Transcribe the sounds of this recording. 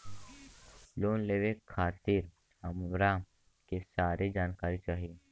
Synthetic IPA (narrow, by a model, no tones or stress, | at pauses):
loːnleːʋekʰːaːt̪iːɾ | əmɾaːm | kesaːɾed͡ʒaːnkaːɾit͡ʃaːɦie